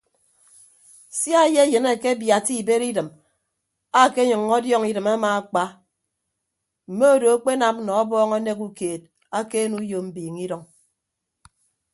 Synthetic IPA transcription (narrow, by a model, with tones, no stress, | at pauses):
sja˦˨je˦jɨ˨ne˨ke˦bja˨ti˦˨be˦ɾi˦dɨ˨m | a˦˨ke˦ɲɨ˨ŋːɔ˦djɔ˦ŋi˦dɨ˨ma˦ma˨a˨k͡pa˦ | m̩˨me˦o˦do˨a˦k͡pe˦na˨m̩˦nɔ˨ɔ˦bɔː˦ŋo˦ne˦ku˦keː˨t̚ | a˦ke˦nu˦jo˨m̩˨biː˨ŋi˦dɔ˨ŋ